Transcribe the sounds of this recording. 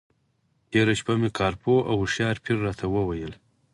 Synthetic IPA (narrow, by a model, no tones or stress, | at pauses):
t̪ʰeɾaʃpamekʰɑːɾpoʔawʂɑɾpʰiɾːɑt̪ʰawəwajəl